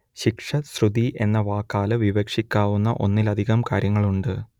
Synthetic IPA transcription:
ɕikʂɐsrɨd̪iʔe̞̰nːɐʋaːkːaːlɐʋiʋekʂikʲːaːʋunːɐ̰ʔo̞̰nːilɐd̪ʱiɣɐmkaːɾjɐŋːɐɭuɳɖɨ

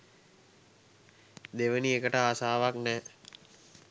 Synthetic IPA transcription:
d̪eʋəniekəʈəaːsaːʋaknɛː

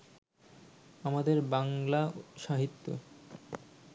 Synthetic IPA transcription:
amad̪eɾbaŋlaʃaɦit̪ːo̰

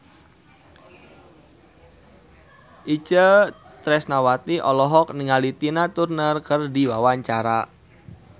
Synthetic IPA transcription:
ʔi̥t͡ʃət̪ɾɛsnawat̪iʔɔlɔɦɔk̚niŋalit̪inat̪urnərkərdiwawaɲt͡ʃaɾa

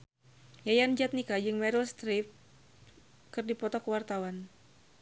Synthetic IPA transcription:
jajand͡ʒat̪̚nikad͡ʒɨŋmɛɾəlst̪ɾip̚ | kɨrdipɔt̪ɔkəwart̪awan

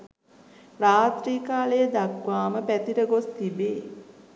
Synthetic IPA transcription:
raːt̪riːkaːləjəd̪akʋaːməpæt̪iɾəɡost̪ibeː

